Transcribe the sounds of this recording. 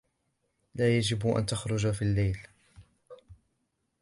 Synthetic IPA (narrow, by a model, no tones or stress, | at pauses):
laːjad͡ʒɪbʔa̰nt̪axɾˤʊd͡ʒafiːlːajl